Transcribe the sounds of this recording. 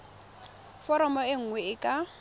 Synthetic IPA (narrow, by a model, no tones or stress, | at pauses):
fɔɾɔmɔɪŋ̩ŋwɛɪkʼa